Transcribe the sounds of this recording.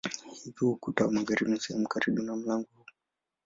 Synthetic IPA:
hivuhukutawamaɡaɾimusɛhɛmukaɾiɓunam̩laŋɡɔu

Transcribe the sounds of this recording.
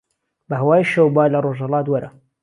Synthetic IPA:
bɐɦɐwaːjʃɐwbaːlɐroʒhɐlˠɑːt̪wɐɾʔɐ̰

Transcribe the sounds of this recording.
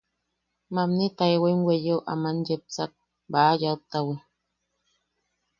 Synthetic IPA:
mamnit̪aewemwejeoʔa̰manjep̚t͡sak̚ | bajaut̪awi

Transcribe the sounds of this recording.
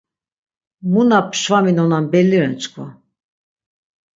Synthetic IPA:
munapʰʃvaminɔnanbɛlːiɾɛnt͡ʃʰʼkʰva

